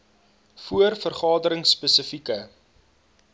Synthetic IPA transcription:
fuərfərχɑːdəɾəŋsːpəsəfikə

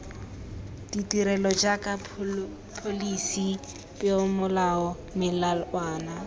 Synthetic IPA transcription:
ditʼiɾɛlɔd͡ʒakʼa | pʰolisi | pʼeʊmʊlaɔ | mɪlalwaːna

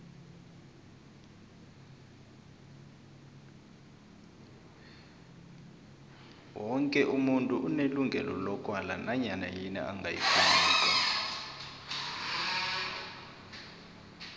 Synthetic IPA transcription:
wɔŋkʼɛʔumuntʼuʔuneluŋɡʱɛlɔlɔkʼwalanaɲanajinɛ̰ʔaŋɡʱajifaːiːkʼa

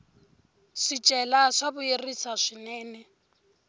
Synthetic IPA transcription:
sit͡ʃʼɛlaʂabʊjerisaʂɪnɛːnɛ

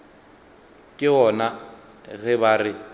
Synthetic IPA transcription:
kʼɪɔna | ɣɛβarɪ

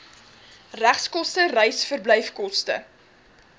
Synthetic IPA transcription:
ræχskɔstərɛjsfərbləjfkɔstə̰

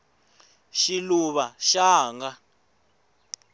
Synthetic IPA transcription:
ʃiluβaʃaːŋɡa

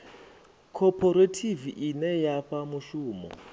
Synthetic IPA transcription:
kʰɔpʰɔɾatʰiviʔinɛjaɸamuʃuːmɔ̰

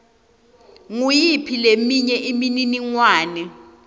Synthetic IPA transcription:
ŋujipʰilemiɲɛʔimininiŋwaːnɛ

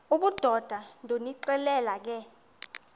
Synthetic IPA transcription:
uɓud̥ʱɔd̥ʱandʱoniǀɛlɛlak̬ɛ

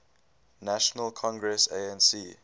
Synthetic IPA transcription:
naʃənəlkʰɔ̃ŋɡɹɛseɛ̃nsiː

